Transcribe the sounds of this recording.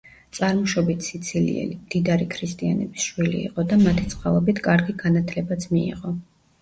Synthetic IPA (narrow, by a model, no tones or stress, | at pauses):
t̪sʼaɾmɔʃɔbit̪ʰsit̪sʰilḭɛ̰limd̪̥id̪aɾikʰɾist̪ʼianɛbisʃwilḭːqʼɔd̪amat̪ʰit̪sʰʼχʼalˠɔbit̪ʰkʼaɾɡiɡanat̪ʰlɛbat̪sʰmiḭʁɔ